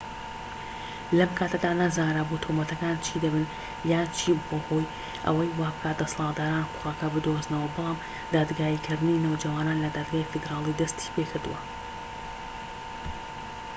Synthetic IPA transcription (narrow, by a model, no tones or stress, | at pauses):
lɐmkʰaːt̪ʰɐd̪aːnazaːnɾaːbot̪ʰomɐt̪ɐkaːnt͡ʃʰid̪ɐbɨn | jaːnt͡ʃʰiboho̞ːj | ʔɐ̰wɐjwaːbɨkaːt̪̚d̪ɐsɑlˠɑːt̪̚d̪aːɾaːnqʊ̥lakɐbɨd̪oznɐwɐbɨlˠaːm | d̪aːd̪ɡaːiːkʰɨɾd̪ɪninewd͡ʒɐwaːnaːnlɐd̪aːd̪ɡaːifɨd̪ɾaːlˠid̪ɐst̪ʰi̥pʰekʰɨɾd̪ṵwɐ